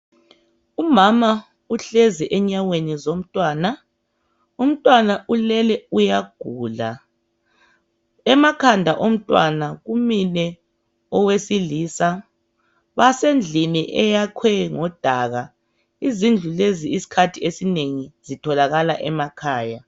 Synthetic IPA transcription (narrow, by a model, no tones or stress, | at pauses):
umama | uɬɛziʔɛɲawenizom̩tʼwaːna | um̩tʼwanaʔulɛlɛujaɡ̥ʱuːla̰ | ɛmakʰandʱaʔom̩tʼwa̰naɣuminɛ | ɔwesiliːsa | βasend͡ɮʱiniʔɛjakʰwɛŋɔd̥ʱaɣa | izind͡ɮʱuleziisi̥kʰatʰiesineŋiz̥itʰɔlaɣalaʔɛmakʰaːja